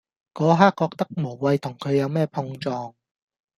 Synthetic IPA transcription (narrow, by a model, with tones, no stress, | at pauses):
kɔː˨˧ɦaː˥kːɔː˧k̚t̪ɐ˥k̚mo˨˩wwɐ˧jt̪ʰʊ˨˩ŋkʰɵ˨˧ɥjɐ˨˧wmɛː˥pʰʊ˧ŋt͡ʃɔː˧ŋ